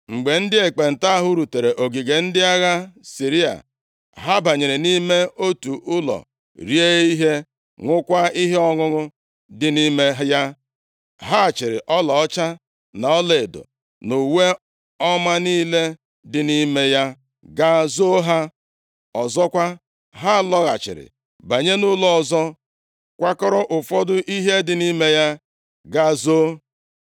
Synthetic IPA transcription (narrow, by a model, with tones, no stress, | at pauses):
ŋ͡m̩˨ɡ͡be˨n̩˦dɪ˦e˨k͡pe˨n̩˨ta˦a˦ɦʊ˦ɾu˨te˨ɾe˨ʔo˨ɡi˨ɡe˨n̩˦dɪ˦a˦ɣa˦si˨ɾi˦a̰˨ | ɦa˦ba˨ɲe˨ɾe˨ni˦me˦o˦tu˨ʔʊ˦lɔ̰˨ | ɾi˦e˦i˦ɦe˦ | ŋʷʊ˦kʷa˦i˦ɦe˦ɔ˦ŋʊ˦ŋʊ˦ | dɪ˨ni˦me˦ɦja˦ | ɦa˦˨t͡ʃɪ˨ɾɪ̰˨ʔɔ˦lɔ˨ɔ˦t͡ʃa˦ | na˨ɔ˦le˨do̰˨ | no˨we˦ | ɔ˦ma˦niː˦le˦ | dɪ˨ni˦me˦ja˦ | ɡa˦zo˦ɦa˦ | ɔ˨zɔ˦kʷa˦ | ɦa˦˨lɔ˦ɣa̰˨t͡ʃɪ̰˨ɾɪ̰˨ | ba˨ɲe˦nʊ˦lɔ˨ɔ˨zɔ˦ | kʷa˦kɔ˦ɾɔ˦ʔʊ˨fɔ˦dʊ˦ʔi˦ɦe˦dɪ˨ni˦me˦ja˦ | ɡa˦zo˦